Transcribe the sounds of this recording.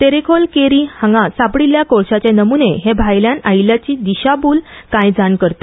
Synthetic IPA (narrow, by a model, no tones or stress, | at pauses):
t̪eɾekʰolkeɾihaŋɡasapɽiljakoɭɕat͡ɕjanəmuneɦebʱajljanajljat͡ɕiːd̪iɕabuːlkãjd͡zankəɾt̪a